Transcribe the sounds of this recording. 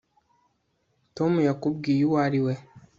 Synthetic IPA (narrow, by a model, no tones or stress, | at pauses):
tomujakub̚ɡijuwaɾiwe